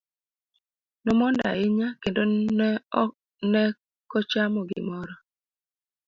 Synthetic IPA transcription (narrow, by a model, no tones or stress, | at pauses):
nɔmɔnda̰ɪɲakendon | nɛ | kɔt͡ʃamɔɡɪ̰mɔɾɔ